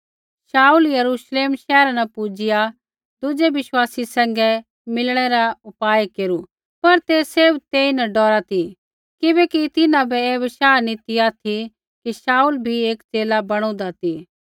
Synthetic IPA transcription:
saːuljɐɾuːʃleːmʃɛːɾanɐpud͡ʒɪja | d̪ʊd͡ʒebɪʃwaːsisɛ̃ːŋɡɛ | mɪlɽ̃ɛɾaʊpaːjkeːɾu | pɐɾt̪eseːbt̪eːinɐɖɔːɾat̪ʰi | kɪbɛkit̪ɪnãbʱɛeːʋɪʃaːnĩt̪ɪjat̪ʰi | kiʃaːuːlbʱieːkt͡ʃeːlabɐɽ̃õd̪at̪ʰi

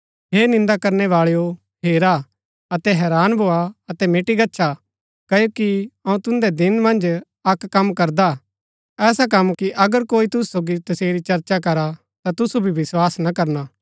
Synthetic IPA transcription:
ɦeːnɪ̃nd̪akɐɾnɛʋaːɭejo | pʰeːɾa | ɐt̪ɛɦɛːɾaːnbʱoːaɐt̪ɛmeːʈiɡɐtːʃʰa | kɐjoːkiɐũt̪ʊ̃nd̪ɛd̪ɪnmɐ̃nd͡ʒ | ɐkːɐmkɐɾd̪a | ɛːsak̬ɐ̃mkiʔɐɡəɾkoːit̪ʊsu̥soːɡit̪ɐseːɾit͡ʃɐɾt͡ʃak̬ɐɾa | t̪at̪ʊsubʱibɪswaːsnɐkɐɾnaː

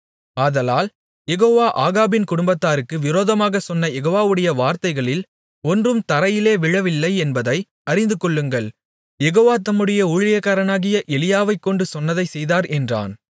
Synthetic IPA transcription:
aːðɐlaːl | jɛɣoːʋaːʔaːɣaːbɪnkʊɽʊmbɐt̪ːaːɾɯkːɯʋɪɾoːðɐmaːɣɐsɔnːɐjɛɣoːʋaːʋɯɽɐjɐʋaːɾt̪ɐɪɣɐɭɪl | ɔndrɯmt̪ɐɾɐjɪleːʋɪɻɐʋɪlːɐɪɛnbɐðɐɪ | ɐɾɪnd̪ɯkɔɭːɯŋɡɐɭ | jɛɣoːʋaːt̪ɐmːɯɽɐjɐuːɻɪjɐkaːɾɐnaːɣɪjɐʔɛlɪjaːʋɐɪkːɔɳɖɯsɔnːɐðɐɪsɛjðaːɾʔɛndra̰ːn

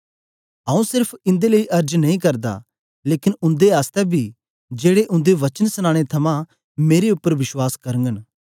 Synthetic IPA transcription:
ɦãːũsɪɾpʰɪ̃nd̪eləiʔɐɾd͡ʒnɐɦĩkɐɾd̪a̰ | leːkɪnʊ̃nd̪eɦaːst̪ɛbʱi | d͡ʒeːɽeʔʊ̃nd̪eʋɐt͡ʃənsʊñãːɽ̃et̪ʰɐmã | meːɾeʊpːəɾʋɪʃwaːskɐɾə̃ŋɡən

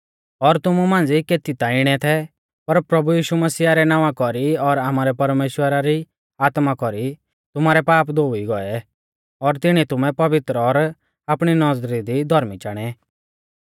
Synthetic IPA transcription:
ɔɾt̪ʊmumãːnd͡zikeːt̪it̪aɪɽ̃ɛt̪ʰɛ | pɐɾpɾɐbujiːʃumɐsiːaɾɛnaːʋakɔɾiɔɾaːmaːɾɛpɐɾmeːʃwəɾaɾi | aːt̪makɔɾi | t̪ʊmaːɾɛpaːpd̪oːiɡɔɛ | ɔɾt̪ɪɽ̃it̪ʊmɛpɐʋɪt̪ɾɔɾ | aːpɽ̃inɔd͡zɾid̪id̪ʱɔɾmit͡ʃaːɽ̃ɛ

